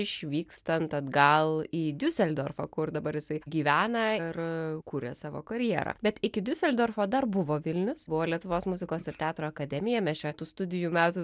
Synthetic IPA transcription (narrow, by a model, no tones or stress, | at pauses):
ɪʃʲʋʲiːkst̪ɐnt̪ɐd̪ɡɐlˠiːd̪ʲʊsʲɛlʲd̪oːrfɐkʊrd̪ɐbɐɾjɪsɐɪɡʲiːʋʲæːnɐɪrkuːɾʲḛsɑːʋo̰ːkɐɾʲjiɛɾɐ̰ːbʲɛt̪ɪkʲɪd̪ʲʊsʲɛlʲd̪ʲoːrfoːd̪ɐrbʊʋoːʋʲɪlʲnʲʊsbʊʋoːlʲiɛt̪ʊʋoːsmʊzʲɪkoːsɪrt̪ʲæːt̪ɾoːɐkɐd̪ʲɛmʲɪjɛmʲɛt͡ʃʲɛt̪uːst̪ʊd̪ʲɪjumʲæːt̪u